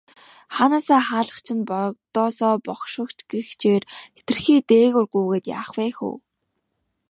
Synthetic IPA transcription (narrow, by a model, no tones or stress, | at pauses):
χanaːsaːχaːɮə̆χt͡ɕʰɪ̆npɔt̪ɔːsɔːpɔχʃɪ̆kt͡ɕɡext͡ɕʰeːret̪ɘ̆rxiːt̪eːɣʊrɡuːɣeːt̪ja̰ːχwæːxṵː